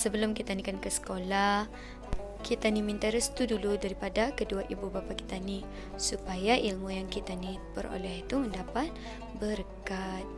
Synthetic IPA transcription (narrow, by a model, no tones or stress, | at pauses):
səbəlʊmkit̪anikankəsə̥kolahh | kit̪animĩnt̪əɾəst̪uduludaɾipadakəduaʔibubapaki̥t̪ani | supajaʔilmujaŋkit̪anipəɾo̰lɛɦit̪uməndapat̪̚ | bəɾkat̪̚